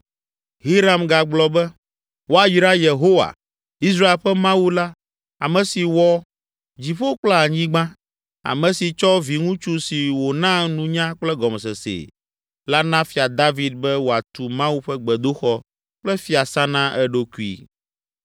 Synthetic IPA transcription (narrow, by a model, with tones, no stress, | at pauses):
ɦi˦ɾa˨mɡa˨ɡ͡blɔ˨bɛ˦ | wo˦a˨ji˨˦ɾa˦je˨ɦo˦wa̰˨ | i˦s̬ɾa˦e˨lɸɛ˦mã˦wu˦la˦ | a˨mɛ̃˨si˨wɔ˦ | d͡ʑi˨ɸo˦o˦k͡plɛ˦a˨ɲĩ˦ɡ͡bã˦ | a̰˨mɛ̃˨si˨t͡ʃɔ˦vi˨ŋũ˦t͡ʃu˦si˨wo˨nã˦nũ˦ɲã˦k͡plɛ˦ɡɔ˨mɛ˨sɛ˨sḛ˨ | la˦nã˦fi˨a˨d̪a˦vi˨d̪̚bɛ˦wo˨a˨t̪u˨mã˦wu˦ɸɛ˦ɡ͡bɛ˨d̪o˦xɔ˦ | k͡plɛ˦fi˦a˨sa˦nã˦ʔɛ˦ɖo˦ku˦ḭ˦